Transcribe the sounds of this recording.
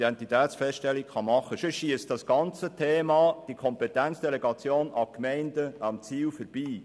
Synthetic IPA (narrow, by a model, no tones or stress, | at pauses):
dɛntit̪æːsfɛstʃtɛlːikχɑmɑχːəʃoʃiəstd̥ɑsɡ̥ɑnt͡sətʰeːmɑːd̥ikʰɔmpɛt̪ænt͡ssd̥ɛlɛɡɑt͡sjoːnɑkmɛɪndəɑmt͡siːwfəɾb̥iː